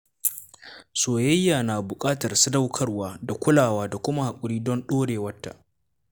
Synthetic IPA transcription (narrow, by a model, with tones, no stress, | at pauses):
soː˨jɐ˦jːaː˨naː˨bʊ˨kʼaː˦tɐ˨rsɪ˦da˦wkʰɐ˦rwaː˦da˨kʷʊ˦laː˨waː˦da˨kʷʊ˦ma˦ha˨kʷʼʊ˨ɽiː˦dɔ˦nɗoː˦ɽeː˨wɐ˦tːa̰˨ʔ